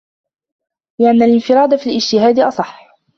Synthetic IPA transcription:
ɪʔanːalɪnfɪɾˤɑːd̪afiːlɪd͡ʒt̪ɪɦaːd̪ʔɑsˤɑħː

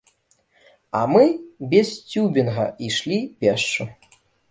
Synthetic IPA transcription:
ɐ̰mɨbʲɛst͡sʲubʲinɣɐ̰iʂlʲipʲɛʂt͡ʂu

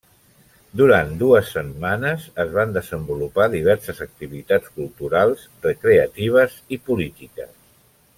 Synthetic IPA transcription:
d̪uɾand̪uəsːəmːanəzəzβand̪əzəmbulupaðiβɛɾsəzək̚t̪iβit̪at͡skulˠt̪uɾalˠz | rəkɾeət̪iβ̞əzipulit̪ikə̰s

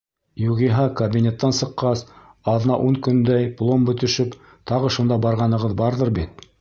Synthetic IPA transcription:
juʁiɦɑkɐbʲinʲet̪ːɑnsɤ̆qːɑs | ɑð̆nɑ̰ʔuŋkɵ̆nd̪æjplˠombɵ̆t̪ɵ̆ʃɵp | t̪ɑʁɤʃund̪ɑbɑɾʁɑnɤ̆ʁɤðbɑɾðɤɾbit̪̚

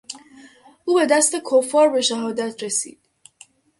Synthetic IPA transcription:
ʔuːbe̞d̪æst̪e̞kʰofɒːɾbe̞ʃæɦɒːd̪æt̪ʰɾesḭːd̪̥

